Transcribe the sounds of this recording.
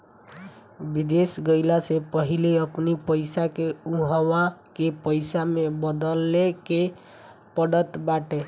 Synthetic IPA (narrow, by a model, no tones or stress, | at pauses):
bid̪esɡəɪlasepəɦileəpnipəjsakeuɦəʋakepəɪsamebəd̪əlːeke | pəɽət̪baʈe